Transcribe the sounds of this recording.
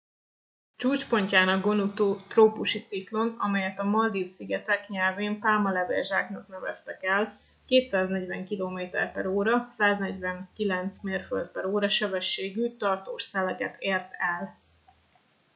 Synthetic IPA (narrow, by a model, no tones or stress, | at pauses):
t͡ʃuːt͡ʃpo̞ɲcaːnɒɡɡo̞nut̪ot̪roːpuʃit̪siklo̞nɒ̰mɛjɛt̪ɒmɒld̪ifsiɡɛt̪ɛkɲɛlveːmpaːmɒlɛvḛrʒaːknɒkn̪ɛvɛ̰st̪ɛkɛl | keːt̪saːznɛɟvɛŋkiloːmeːt̪ɛ̰rpɛɾoːɾɒsaːznɛɟvɛŋkilɛnt̪smeːrfø̰ld̪̚pɛɾoːɾɒʃɛbɛʃːeːɡyːt̪ɒrt̪oːʃsɛlɛkɛt̪ʰeːrt̪ɛl